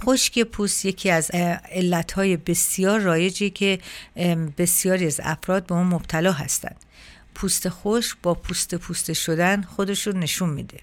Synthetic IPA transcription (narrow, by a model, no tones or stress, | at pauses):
χo̞ʃcʰe̞pʰuːst̪je̞cʰiːæze̞lːæt̪hɒːje̞be̞sijɒːɾːɒːje̞d͡ʒiecʰe̞ | be̞sijɒːɾiæzæ̰fɾɒːd̪̚beuːnmob̥t̪ʰælɒːɦæ̰st̪æ̰nd̪̥ | pʰust̪e̞xo̞ʃkb̥ɒːpʰust̪e̞pʰuːst̪e̞ʃo̞d̪ænχo̞d̪e̞ʃunːeʃunmḭːd̪e̞